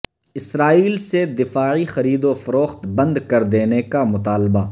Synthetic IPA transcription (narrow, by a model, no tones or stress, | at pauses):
ɪsɾaːiːlsed̪ɪfaːʕixɐɾiːd̪ofɐɾoːxt̪bɐ̃nd̪kɐɾd̪eːnekamʊt̪aːlbaː